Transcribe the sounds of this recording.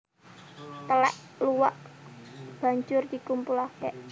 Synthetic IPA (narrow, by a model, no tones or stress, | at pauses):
t̪əlɛ̰ʔluwaʔ | b̥a̤ɲd͡ʒʊrd̪̥i̤kumpulahd̪ɛʔ